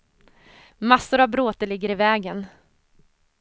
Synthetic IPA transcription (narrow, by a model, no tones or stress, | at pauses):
masːʊɾavbɾoːt̪əlɪɡːəɾɪvɛːɡən